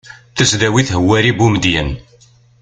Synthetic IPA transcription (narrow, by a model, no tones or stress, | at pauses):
θəsðæwiθɦəwːæɾibumd̪jən